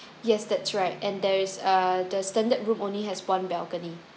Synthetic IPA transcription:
jɛsdɛtsɹaɪt̚ɛ̃ndɛɹɪsʌdəstɛ̃ndət̚ɹũmõnliɦɛswãnbɛlkəni

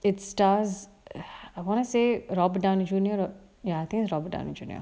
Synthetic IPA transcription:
ɪtsʈaːz | aɪʋɔ̃nəseːɾɔbɖãʊ̃nd͡ʒuːniəɾ | jaaɪt̪ʰĩŋkɪsɾɔːbɖã̰ʊ̃nd͡ʒṵːniə̰

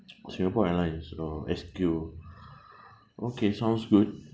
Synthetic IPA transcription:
sĩŋɡapɔɛlãjnsəɛskju | ʔokʰesãw̃nsɡut̚

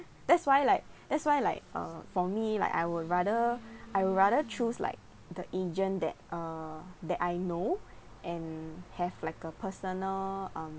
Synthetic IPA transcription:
d̥ɛtswajlaɪk̚d̥ɛtswajlaɪk̚ʌ̰fɔmila̰ɪka̰jwuɹadəʔajwuɹaɾət͡ʃuslʔa̰ɪk̚ | dəʔed͡ʒə̃ndɛ̰t̚ʌdɛtajno | ʔɛ̃nhɛvlaɪkəpʰəsənəlʌ̃m

